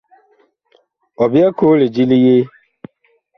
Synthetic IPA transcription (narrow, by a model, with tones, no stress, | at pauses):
ɔ˨bɪ˦ɛ˦kʰoː˦le˨d͡ʒi˦li˦je˦